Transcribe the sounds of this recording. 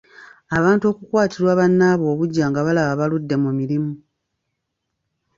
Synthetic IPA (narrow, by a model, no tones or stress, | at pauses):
aβaːntuo̞kukwaːtiɾwaːβanːaːβo̞ːβuɟːaːŋɡaβalaβaβaludːe̞mumiɾimu